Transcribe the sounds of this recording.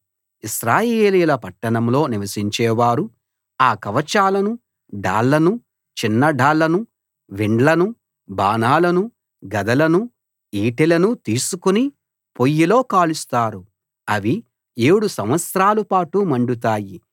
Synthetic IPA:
isɾaːjeːlijulɐpɐʈːɐɳɐmlo̞ːniʋɐsiɲt͡ʃɛːʋaːɾu | aːkɐʋɐt͡ʃaːlɐnu | ɖa̰ːɭːɐnu | t͡ʃinːɐɖaːlːɐnu | ʋiɳɖlɐnu | baːnaːlɐnu | ɡɐd̪ɐlɐnu | iːʈilɐnut̪iːsukuni | pojːilo̞ːkaːlust̪aːɾu | ɐʋi | e̞ːɽusɐmʋɐt̪sɾaːlupaːʈumɐɳɖut̪̬aːji

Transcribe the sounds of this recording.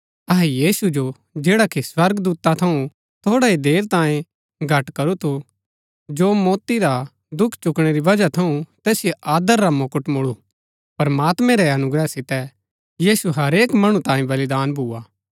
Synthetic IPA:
ɐɦɛjiːsud͡ʒo | d͡ʒeːɽakiswɐɾɡd̪uːt̪at̪ʰɐũ | t̪ʰoːɽaid̪eːɾt̪ãːĩ | ɡʱɐʈkɐɾut̪ʰu | d͡ʒoːmɔːt̪iɾa | d̪ʊkʰːt͡ʃʊkɽ̃eɾiʋɐd͡ʒat̪ʰɐũt̪ɛːsɪjeʔaːd̪əɾːamoːkəʈmʊɭu | pɾɐmaːt̪mɛ̃ɾɛɐnʊɡɾɛsɪt̪ɛ | jiːsuɦɐɾeːkmɐɽ̃ũt̪ãːĩbɐlɪd̪aːnbʱuːaː

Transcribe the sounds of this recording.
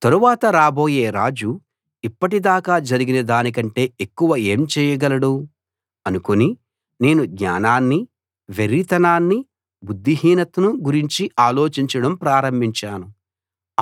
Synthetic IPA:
t̪ɐɾuʋaːt̪ɐɾaːbo̞ːje̞ːɾaːd͡ʒu | ipːɐʈid̪aːkaːd͡ʒɐɾiɡinɐd̪aːnik̬ɐɳʈe̞ːʔekːuʋɐe̞ːmt͡ʃɛːjɐɡɐlɐɽu | ɐnukoni | ne̞ːnuɡɲa̰ːnaːnːi | ʋeɾit̪ɐnaːnːi | bud̪ːiɦiːnɐt̪ɐnuɡuɾiɲt͡ʃiʔaːlo̞ːt͡ʃiɲt͡ʃɐɽɐmpɾaːɾɐmbʱiɲt͡ʃaːnu

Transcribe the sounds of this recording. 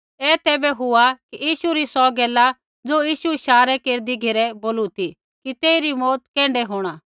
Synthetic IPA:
ɛːt̪ɛːbɛɦʊakijiːʃuɾisɔɡɛːla | d͡zoːjiːʃuɪʃaːɾɛkeːɾd̪iɡʱeːɾɛboːlut̪ʰi | kit̪eːiɾimɔːt̪kɛ̃ːɳɖɛɦoːɽ̃a

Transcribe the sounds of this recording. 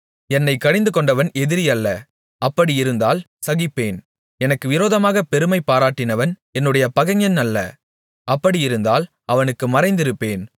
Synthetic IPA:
ɛnːɐɪkːɐɽɪnd̪ɯkɔɳɖɐʋɐnɛðɪɾɪjɐlːɐ | ʔɐpːɐɽiɪɾɯnd̪aːl | sɐɣɪpːeːn | ɛnɐkːɯʋɪɾoːðɐmaːɣɐpɛɾɯmɐɪpːaːɾaːʈːɪnɐʋɐnɛnːɯɽɐjɐpɐɣɐŋjɐnɐlːɐ̰ | ʔɐpːɐɽijɪɾɯnd̪aːl | ɐʋɐnɯkːɯmɐɾɐɪnd̪ɪɾɯpːeːn

